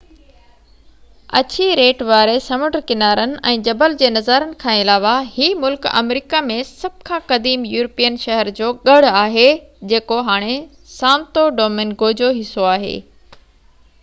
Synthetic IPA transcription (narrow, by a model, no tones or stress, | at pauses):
ɐ̰t͡ɕiɾeːʈʋaːɾesɐməɖəɾkɪnaːɾənɪ̆ʔɛ̃ːd͡ʑɐbəld͡ʑeːnɐzaɾənɪ̆kʰãːɪlaːʋahiːmʊlkɐ̰mɾiːkamẽsɐb̚ʱkʰãːkɐd̪iːmjuːɾpijənʃɛɦəɾd͡ʑoːɠɐɽaːɦed͡ʑeːkoɦaːɽ̃e | sãːmt̪oɖoːmɪnɡoːd͡ʑoɦɪsoaːɦḛː